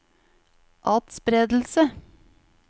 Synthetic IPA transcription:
ʔɑːt̪spɾeːd̪l̩sə

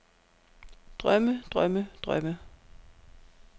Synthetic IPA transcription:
d̥ʁœməd̥ʁœməd̥ʁœmə

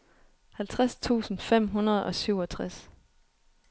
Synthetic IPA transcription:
hælt͡sʰʁast͡sʰṵːsn̩fem̰ɦunɐð̞ˠɒ̽syʊɒ̽t͡sʰʁas

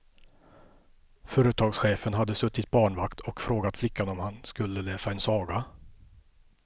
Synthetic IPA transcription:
fœːɾət̪ʰɑːɡsɧeːfənɦad̪ːəsɵt̪ːɪt̪̚bɑːɳvakt̪ʰɔkfɾoːɡat̪flɪkʰːanɔmhanskɵlːəleːsaɛnsɑːɡa

